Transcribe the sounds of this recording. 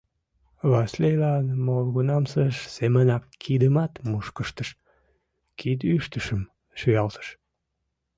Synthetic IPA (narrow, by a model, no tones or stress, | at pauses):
βɑslejlɑnmolɣunɑmsəʃsemənɑkːid̪əmɑt̪muʃkəʃt̪əʃ | kid̪yʃt̪əʃəm | ʃyjɑlt̪ə̥ʃ